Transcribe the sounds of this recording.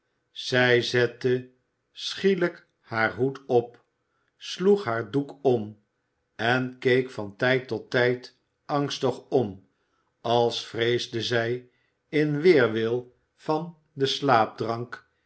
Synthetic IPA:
z̥ɛjzɛtə | sχilək | haːɹɦutɔp | sluχɦaːɹdukɔm | ɛnkejkfɑntɛjtɔtɛjt | ɑŋstəχɔm | ɑlˠsfrejzdəzɛj | ɪnʋɪːɹʋɪlˠ | v̥ɑn | dəslaːb̚drɑŋk

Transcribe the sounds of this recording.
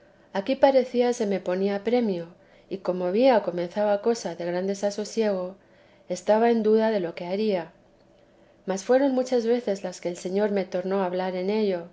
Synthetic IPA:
akipaɾe̞θiase̞me̞po̞niapɾe̞mjo | iko̞mo̞βiaoko̞me̞nθawako̞saðe̞ɣ̞ɾand̪e̞saso̞sje̞ɣ̞o̞ | e̞st̪aβae̞nd̪uðaðe̞lo̞ke̞aɾia | masfwe̞ɾo̞nmut͡ʃazβe̞θe̞zlaske̞ːlse̞ɲo̞ɾme̞t̪o̞ɾno̞aβlaɾe̞ne̞ʎo̞

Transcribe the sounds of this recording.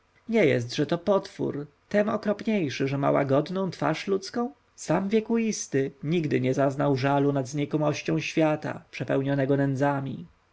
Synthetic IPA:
ɲɛjɛ̰st̪ʐɛt̪ɔpɔt̪fṵɾ | t̪ɛmɔkɾɔpɲejʂɘʐɛma̰wa̰ɡɔd̪nɔ̃w̃t̪fa̰ʂlut̪skɔ̃w̃ | samvʲjɛkuist̪ɘɲiɡd̪ɘɲɛzaznawʐalunad̪zɲɛkɔmɔɕt͡ɕɔ̃w̃ɕfʲjat̪a̰pʂɛpɛwɲɔnɛɡɔnɛnd̪zamʲḭ

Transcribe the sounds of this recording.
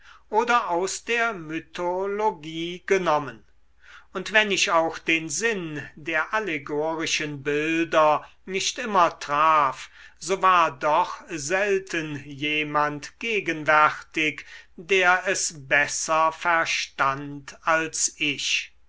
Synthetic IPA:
ʔoːdɐʔaʊsd̥eːɐmytʰoloɡiːɡənɔmən | ʊntv̥ɛnɪʃaʊxd̥eːnzɪndeːɐʔaleɡoːʁɪʃənbɪldɐ | nɪʃtʔɪmɐtʁ̥aːfz̥oːvaːɐdɔχzɛltʰənjeːmantɡ̥eːɡənvɛʁtɪkd̥eːɐɛsbɛsɐfɛɐʃtantalsʔɪʃ

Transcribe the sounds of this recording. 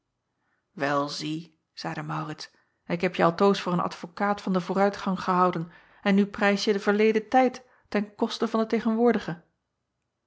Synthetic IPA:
ʋɛlˠzi | z̥ɛjdəmɑwrɪts | nɪkɦɛpjəɑlˠtowsfʊːɹənɑ̰tfokaːtfɑndəvʊːrœɥtχɑŋχəɦɑwdən | ɛnːyprɛjsjədəvəɹlejdətɛjtː | ɛnkɔstəvɑndətejχənʋʊːɹdəχə

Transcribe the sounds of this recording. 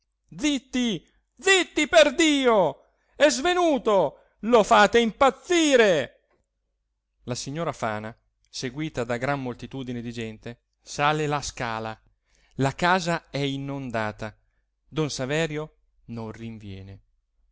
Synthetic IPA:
d̪zit̪ːi | d̪zit̪ːiperd̪iːo | ɛzvenuːt̪o | lofaːt̪eimpat̪sːiːɾe | lasiɲːoːɾafaːna | seɡwiːt̪ad̪aɡɾamːolt̪it̪uːd̪ined̪id͡ʒɛnt̪e | saːlelaskaːla | lakaːzaɛinːond̪aːt̪a | d̪onsavɛːɾjo | nõnriɱvjɛːne

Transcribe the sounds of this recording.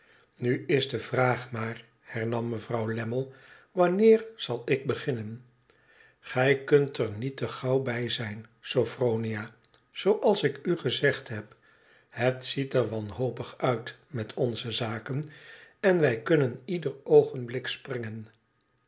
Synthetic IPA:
nyɪzdəvraːχmaːr | hɛɹnɑmːəvrɑwlɛməlˠʋɑnɪːɹz̥ɑlˠɪɡ̚bəχɪnən | χɛjkɵntɛɹnitəχɑwbɛjzɛjnz̥owfrowniaː | z̥owʔɑlˠsɪkyχəzɛχtɦɛp | ɦətsitɛɹʋɑnɦowpəχœɥtmɛtʰɔnzəzaːkənɛnʋɛjkɵnənidərowχənblɪksprɪŋən

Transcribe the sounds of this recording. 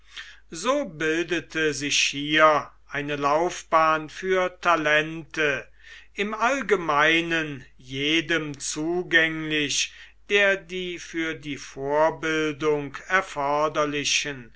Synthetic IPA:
zoːbɪldətʰəzɪɕhiːɐʔaɪnəlaʊfb̥aːnfyːɐtʰalɛntʰə | ʔɪmʔalɡəmaɪnən | jeːdəmt͡suːɡɛŋlɪɕd̥eːɐdiːfyːɐdiːfoːɐbɪldʊŋkɛɐfɔɐdɐlɪɕən

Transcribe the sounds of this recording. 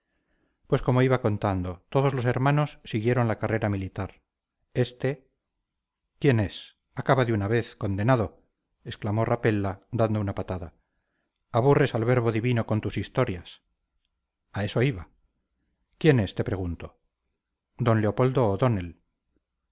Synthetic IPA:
pwe̞sko̞mo̞iβako̞nt̪and̪o̞t̪o̞ðo̞zlo̞se̞ɾmãno̞sːiɣje̞ɾo̞nlakare̞ɾamilit̪aɾ | e̞st̪e̞ | kje̞ne̞s | akaβaðeunaβe̞θko̞nd̪e̞naðo | esklamo̞rape̞lːad̪and̪o̞unapat̪aða | aβure̞salβe̞ɾβo̞ðiβino̞ko̞nt̪usist̪o̞ɾjas | ae̞so̞iβa | kje̞ne̞st̪e̞pɾe̞ɣunt̪o | d̪o̞nleo̞pold̪o̞ːðo̞ne̞l

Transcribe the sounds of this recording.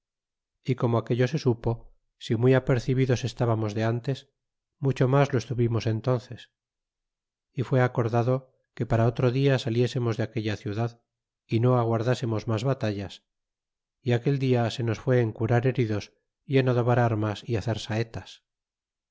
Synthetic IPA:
iko̞moake̞ʎo̞se̞supo̞ | simiape̞ɾθiβiðo̞se̞st̪aβamo̞zðe̞ant̪e̞s | mut͡ʃo̞mazloe̞st̪uβimo̞se̞nt̪o̞nθe̞s | ifwe̞ako̞ɾðaðo̞ | ke̞paɾaot̪ɾoðiasalje̞se̞mo̞zðeake̞ʎaθjuðað | ino̞aɣ̞waɾðase̞mo̞zmazβat̪aʎas | iake̞ld̪iase̞no̞sfwe̞ːŋkuɾaɾe̞ɾiðo̞s | ienaðo̞βaɾaɾmasiaθe̞ɾsaet̪as

